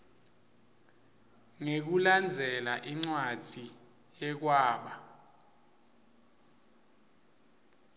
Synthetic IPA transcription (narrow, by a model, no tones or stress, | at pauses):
ŋek̬uland͡zʱɛlaʔiŋ͡ǀwad͡z̥ʱi | jɛk̬waːɓa